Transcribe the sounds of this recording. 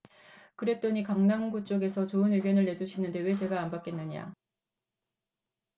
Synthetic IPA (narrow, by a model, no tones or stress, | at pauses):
kɯɾe̞t͈oɲikaŋnaŋɡut͡ɕ͈oɡe̞sʰʌt͡ɕoɯnweɡjʌnɯɭːe̞d͡ʑuɕʰinɯnde̞we̞d͡ʑe̞ɡaːmbak͈e̞nːɯɲa̰